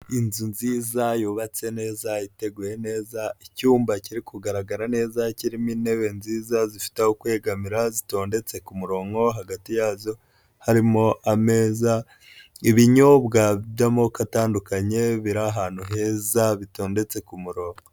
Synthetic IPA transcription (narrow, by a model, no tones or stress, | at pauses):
inzunziːzajuβat͡se̞ne̞ːzaite̞ɡuje̞ne̞ːzaicuːmbaciɾikuɡaɾaɡaɾane̞ːzaciɾimine̞βe̞nziːzazifi̥tehokwe̞ːɡamiɾazito̞ːnde̞t͡se̞kumuɾo̞ːŋɡo̞ɦaɡatijaːzo̞ | haɾimo̞ʔame̞ːza | iβiɲoβɡaβjamokataːndukaɲe̞βiɾaɦaːn̥huɦe̞ːzaβito̞ːnde̞t͡se̞kumuɾo̞ːŋɡo